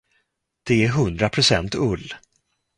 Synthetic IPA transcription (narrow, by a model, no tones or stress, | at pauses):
d̪̥ɛæɾɦɵnd̪ɾapʰɾʊsɛnt̪ɵlː